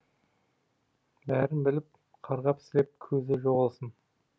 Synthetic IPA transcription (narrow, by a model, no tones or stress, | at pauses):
bæɾɪnbɪlɪp̚ | qʰɑɾʁɑpɪ̥sle̞p̚kʲʰɵzɪʒoʁəlˠsən